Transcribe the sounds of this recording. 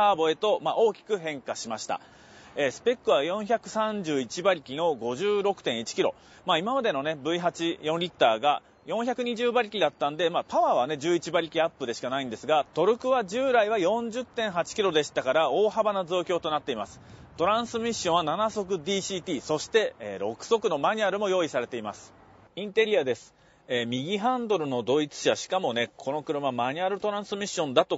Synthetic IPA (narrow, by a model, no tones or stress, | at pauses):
aːbo̞e̞t̪o̞maʔo̞ːkʲi̥kɯ̟ɦẽ̞ŋkaɕimaɕi̥t̪a̰ | eːsɨ̥pe̞kːɯ̟βajõ̞çʲakɯ̟̥sãɲ̟d͡ʑɨːit͡ɕibaɾʲikʲino̞ɡo̞ʑɨːɾo̞kɯ̟̥t̪ẽ̞ɰ̃it͡ɕi̥kʲiɾo̞̰ | maːimamad̪e̞no̞ne̞bɯ̟iɦat͡ɕijõ̞nɾʲit̪ːaːɡa̰ | jõ̞ɰ̃çakɯ̟ɲ̟iʑɨːbaɾʲikʲid̪at̪ːãnd̪e̞maːpaβaːβ̞ane̞d͡ʑɨːit͡ɕibaɾʲikʲiapːɯ̟d̪e̞ɕi̥kanaĩnd̪e̞sɨɡat̪o̞ɾɯ̟kɯ̟βad͡ʑɨːɾaiβajõ̞ɲ̟d͡ʑɨt̪ːẽ̞ɰ̃ɦat͡ɕi̥kʲiɾo̞d̪e̞ɕi̥t̪akaɾao̞ːhɦabanazo̞ːkʲo̞ːt̪o̞nat̪ːe̞imasɨ̥t̪o̞ɾãɰ̃sɨmʲiɕːõɰ̃ananaso̞k̬ɯ̟d̪iːɕiːt̪iːso̞ɕi̥t̪e̞eːɾo̞kɯ̟̥so̞kɯ̟no̞maɲ̟iaɾɯ̟mo̞jo̞ːisaɾe̞t̪e̞imasɨ̥ | ĩnt̪e̞ɾʲiad̪e̞sɨ̥ | eːmʲiɡʲiɦãnd̪o̞ɾɯ̟no̞d̪o̞it͡sɨ̥ɕaɕi̥kamo̞ne̞kʰo̞no̞kɯ̟ɾɯ̟mamaɲ̟iaɾɯ̟t̪o̞ɾãɰ̃sɨmʲiɕːõ̞nd̪at̪o̞